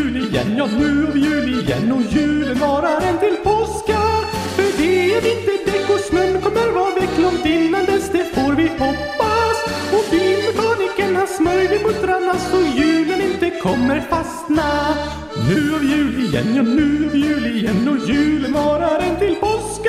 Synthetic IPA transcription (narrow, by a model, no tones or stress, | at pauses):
ʉːlɪjɛ̰nːjɑːnʉ̟ːɑvjʉ̟ːlɪjɛ̰nːɔjʉ̟ːlənvɑːɾaɾɛnt̪ɪlpʰɔska | fœɖɛæɾɪnt̪əd̪ɛkːɔsmɛnːkʰɔmːəɾvɑːd̪ɛkʰlɔmd̪ɪnːand̪əsd̪ɛfoːɾvɪpʰɔpːas | ɔbiːnəbɑːnɪkːənhaʂmœɾlɪmʊt̪̚ɾanːasɔjʉ̟ːlənɪnt̪əkʰɔmːəɾfast̪na | nʉ̟ːɑvjʉ̟ːlɪjɛ̰nːjɑnʉ̟ːɑvjʉ̟ːlɪjɛnːɔjʉ̟ːlənvɑːɾaɾɛnt̪ɪlpɔsk